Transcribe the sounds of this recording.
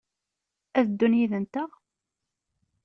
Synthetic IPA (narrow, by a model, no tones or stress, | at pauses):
æðəd̪ːunjiðənt̪æʁ